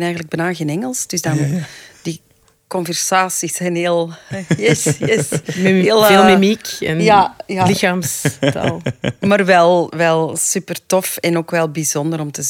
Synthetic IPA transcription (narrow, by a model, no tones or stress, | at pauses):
nɛːjɣənləɡ̚bɛnaːɣeːnɛŋəlˠsd̥ʏzdɑnd̥i | kɔnvɛrsaːsisɛjneːlˠjɛsɛsɦeːlˠeːlˠmimikɛnjajalɪxaːmstɑ̰lˠmaːrʋɛlˠʋɛlˠsypərtɔfɛnoːkʋɛlˠbizɔnd̪əɾɔmtəz